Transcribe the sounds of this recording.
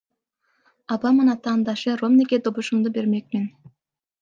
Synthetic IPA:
ɑbɑmɯnɑt̪ɑːnd̪ɑʃɯromneɡʲed̪obuʃumd̪ube̞ɾmek̚men

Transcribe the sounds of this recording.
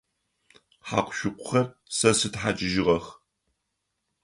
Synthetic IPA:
ħa̰ːqʷʊʃʷʊqʷʼʊ̥χɐrsɐsɨtħat͡ʃʼɪʒɪʁɐx

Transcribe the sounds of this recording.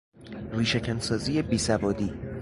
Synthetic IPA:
riːʃecʰænsɒːziːebiːsævɒːd̪iː

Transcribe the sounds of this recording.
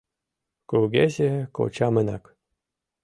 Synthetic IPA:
kuɡezʲeko̰t͡ɕɑmənɑk

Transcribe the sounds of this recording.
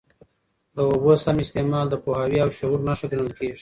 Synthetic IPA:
d̪əobosamɪst̪emɑld̪əpohɑwiawʃʊuɾnaʂat̪enəlkeʐ

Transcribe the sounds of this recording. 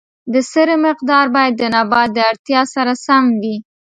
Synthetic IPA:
d̪əsəɾəmɪq̚d̪ɑɾbɑjad̪ːənabɑd̪ːəaɽt̪jɑsaɾasamwi

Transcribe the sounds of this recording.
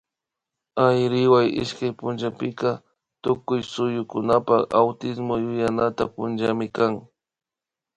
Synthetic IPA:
ajɾɪwajɪ̰ʃkajpʊnʒapɪka | t̪ʊkʊjsʊjʊkʊnapaawt̪ɪsmojʊjanat̪apʊnd͡ʒamɪkaŋ

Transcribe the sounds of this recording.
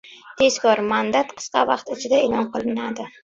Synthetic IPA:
t̪ʰe̞skʰɒɾmand̪at̪qʰɨ̥sqɑvɑqt̪ɪt͡ʃʰɪd̪aeːlˠɒnqʰɨlˠɪnad̪ɪ

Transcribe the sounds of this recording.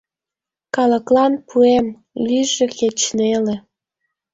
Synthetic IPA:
kɑləklɑnpʰuem | lyʒĕket͡ɕnelĕ

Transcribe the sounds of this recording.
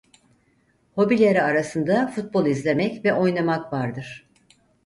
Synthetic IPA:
ho̞bilʲeɾiaɾasɯnd̪afut̪̚bo̞lˠizlʲe̞mɛcvɛʔo̞jnˠamakvaɾd̪ɯɾ̥

